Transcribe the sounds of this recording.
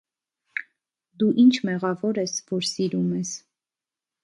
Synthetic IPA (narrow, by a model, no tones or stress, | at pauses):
d̪uʔint͡ʃʰmɛʁɑvɔɾɛsvɔɾsiɾumɛs